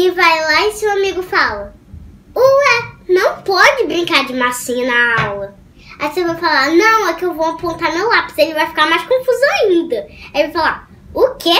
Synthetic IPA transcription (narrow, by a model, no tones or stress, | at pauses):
ɪvajlaɪsewamiɡʊfalɐ | oɛnɐ̃w̃pɔd͡ʒɪbɾĩŋkaɾd͡ʒɪmasĩɲʊnaawlɐ | ajsevãjfalaɾnɐ̃w̃ɛkɪewvowapõnt̪amewlapi̥selɪvajfi̥kaɾmajʃkõfuzʊaĩnd̪ɐaevafala | ʊke